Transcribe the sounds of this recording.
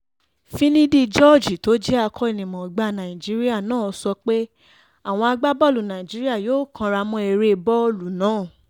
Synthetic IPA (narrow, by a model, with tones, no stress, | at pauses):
fĩ˦nĩ˦di˦d͡ʒɔ˦˨d͡ʒi˨to˨˦d͡ʒɛ˦a˧kʰɔ˦e˨nĩ˨mɔ̃˨ɡ͡ba˧nã˨ĩ˨d͡ʒi˦ɾi˦a˦˨nãː˦˨˦sɔ˧k͡pe˦ | a˦˨w̃ɔ̃˧a˧ɡ͡ba˦bɔ˦lu˨nã˨ĩ˨d͡ʒi˦ɾi˦a˦˨joː˦kʰã˧ɾa˧mɔ̃˧e˧ɾe˧bɔ˦lu˨nãː˨˦˨